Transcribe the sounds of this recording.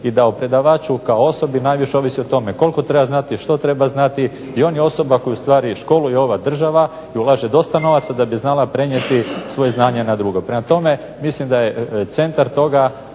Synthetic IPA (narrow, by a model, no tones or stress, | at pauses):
id̪aupɾe̞d̪aʋaːt͡ʃukaoo̞so̞binajʋiʃeo̞ʋisiot̪o̞me̞ko̞lko̞t̪ɾe̞baznat̪iʃt̪o̞t̪ɾe̞baznat̪i | io̞ːnjeo̞so̞bako̞just̪ʋaːɾiʃko̞lujo̞ʋad̪r̩ʒaʋa | iulˠaʒed̪o̞st̪ano̞ʋat̪sad̪abiznalˠapɾe̞ɲet̪isʋo̞jeznaːɲenad̪ɾuɡo̞pɾemat̪o̞me̞ | mislimd̪ajet̪se̞nt̪aɾt̪o̞ɡa